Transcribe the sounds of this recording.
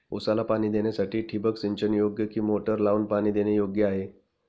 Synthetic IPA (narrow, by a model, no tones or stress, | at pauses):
osalapaɽ̃iːd̪enjasaʈiːʈʰibəksiɲt͡ɕənjoɡjəkiːmoʈəɾlaunpaɽ̃iːd̪enejoɡjəaɦe